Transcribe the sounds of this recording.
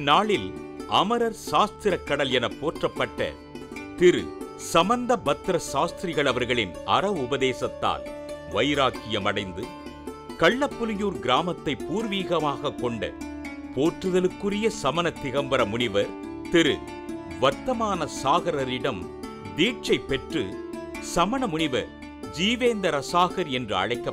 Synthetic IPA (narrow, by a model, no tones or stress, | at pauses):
nːaːɭɪlʔɐmɐɾɐɾʃaːst̪ɪɾɐkːɐɽɐlɛnɐpːoːʈrɐpːɐʈːɐ̰ | t̪ɪɾɯ̰ | sɐmɐnd̪ɐbɐt̪ːɾɐʃaːst̪ɪɾɪɣɐɭɐʋɐɾɣɐɭɪnɐ̰ɾɐʋʊbɐðeːsɐt̪ːa̰ːlʋɐjɾaːkɪjɐmɐɽɐɪnd̪ɯ | kɐɭːɐpːʊlɪjuːɾɡɪɾaːmɐt̪ːɐɪpːuːɾʋiːɣɐmaːɣɐkːɔɳɖɐ̰ | poːʈrɯðɐlɯkːɯrɪjɐsɐmɐnɐt̪ːɪɣɐmbɐɾɐmʊɳɪʋɐɾ | t̪ɪɾɯ̰ | ʋɐt̪ːɐmaːnɐsaːɣɐɾɐɾɪɽɐm | d̪iːʈ̚t͡ʃɐɪpːɛʈrɯ̰ | sɐmɐnɐmʊɳɪʋɐ̰ɾ | d͡ʒiːʋeːnd̪ɐɾɐsaːɣɐɾɛndrɯɐ̰ɻɐɪkːɐ